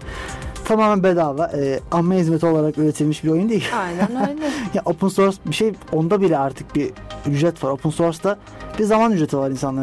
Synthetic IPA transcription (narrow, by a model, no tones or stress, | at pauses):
t̪ʰamaːmænbed̪aːvaɾɛːamːeɦizmet̪io̞lˠaɾakølʲet̪ʰilʲmiʃbiɾo̞jund̪ijilʲajnjaʔopʰunso̞ɾsbiʃejo̞nd̪abilʲɛaɾt̪ʰɯk̚biyd͡ʒɾɛt̪vaɾopʰunsoɾsd̪a | bizamanyd͡ʒɾe̞t̪ʰivaɾinsanlˠa